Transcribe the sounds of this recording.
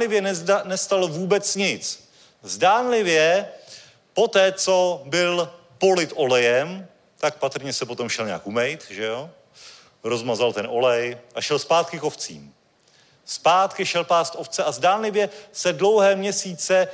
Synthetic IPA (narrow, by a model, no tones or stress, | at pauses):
lɪvjɛnɛst̪alovuːbɛt͡sɲɪt͡s | zdaːnlɪvjɛ | pot̪ɛːt͡so̞bɪl | po̞lɪt̪ʔo̞lɛjɛm | t̪ak̚pat̪r̩ɲɛsɛpo̞t̪o̞mʃɛlɲa̰ːkumɛjt̪ʒɛo | ɾo̞zmazalt̪ɛno̞lɛjʔaʃɛlspaːt̪̚kɪkoft͡sḭːm | spaːt̪kɪʃɛlpaːst̪ʔoft͡sɛʔazdaːnlɪvjɛsɛdlo̞wɦɛːmɲɛsiːt͡sɛ